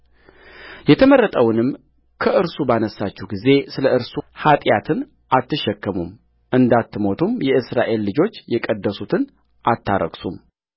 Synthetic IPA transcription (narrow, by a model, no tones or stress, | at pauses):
jɛt̪ʰəmərːət̪ʼəwnɨm | kʰəʔɨɾsubanəsːat͡ʃːɛwɡize̞sɨləɨɾsuhat̪ʼjat̪ʰɨn | ʔat̪ːɨʃɛkːəmum | ʔɨnd̪at̪ːɨmo̞t̪ʰumjɛʔɨsɾaʔe̞lːɨd͡ʒo̞t͡ʃːjɛkʼəd̪ːəsut̪ʰɨn | ʔat̪ʰːa̰ɾə̰ɡsum